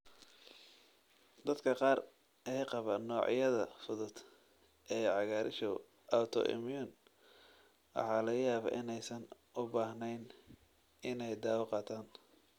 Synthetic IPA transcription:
d̪ɐd̪kʰɐqɑːr | ʔɛjqɑβɐnɔːʕ̰jɐðɐfʊðʊd̪ | ʔɛːʕɑɣaːɾʔɪ̰ʃɔ | ʔawt̪ʰɔ̰ʔɪ̰mjʊn | wɑ̰ħɑːlɐɣɐjaːβa̰ːʔɪnɛjsɐn | ʊbaːhnɛjn | ɪnɛjd̪aːwɑqɑːt̪ʰaːn

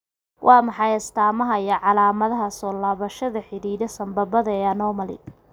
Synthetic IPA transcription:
wʔɑːmɑħɑjɐst̪ʰaːmɐɦɐijɔʕɑlaːmɐðɐɦɐsɔːlaːβɐʃɐðɐħɪɾiːðɐsɐmbɐβɐðɐɛːɐnɔmɐlɪ̰

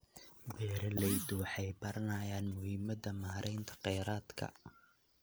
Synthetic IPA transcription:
bɛːɾɐlɛjd̪ʊwɑħɑjbɐɾɐnaːjaːnmʊhɪmɐðɐmaːɾʔɛjnt̪ʰɐ̥qɛjɾaːd̪kʰɐ̰

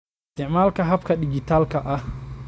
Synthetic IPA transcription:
ɪst̪ɪʕmaːlkɐɦɐbkʰɐɗɪɡit̪ʰaːlkʰɐʔɐh

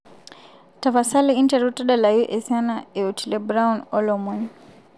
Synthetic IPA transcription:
tafasaliintɛɾutaɗalajuʔɛsanaɛutɛlɛbɾawnɔlɔmwɛn

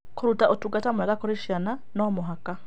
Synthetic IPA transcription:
kʰoɾutaʔotuɡatamuakakɔɾɛʃiananɔmoɦaka

